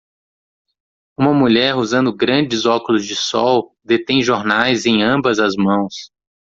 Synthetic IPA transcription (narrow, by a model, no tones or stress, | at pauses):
ũmɐmuʎɛɾuzɐ̃nd̪ʊɡɾɐ̃d͡ʒɪzɔkʊlʊzd͡ʒɪsɔw | d̪et̪ẽj̃ʒoɾnajzẽj̃ɐ̃bɐzɐzmɐ̃w̃s